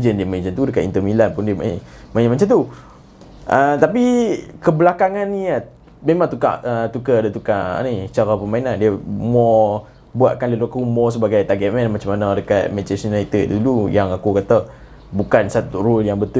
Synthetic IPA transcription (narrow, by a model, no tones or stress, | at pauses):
d͡ʒəndiəmãt͡ʃant̪udəkat̪int̪əmilanpundiəmmanamat͡ʃant̪u | ʔət̪ap̬ikəbəlakaŋanːija | memãŋt̪uka̰ʔət̪ukədət̪ukaʔa̰nit͡ʃaɾapəmainandiəmɔ | buaʔ̚kanləlukəumɔs̬əbaɡajt̪aɡɛt̪̚mɛ̃nmat͡ʃamanadəkat̪̚mɛt͡ʃəsunait̪ət̪̚dulujaŋakukat̪a | bukansat̪uruljaŋbət̪